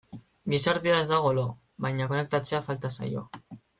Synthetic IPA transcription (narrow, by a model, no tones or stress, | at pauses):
ɡisaɾðiae̞zd̪aɣ̞o̞lo | βajɲako̞ne̞k̚t̪at͡se̞afalt̪asa̰jo̞̰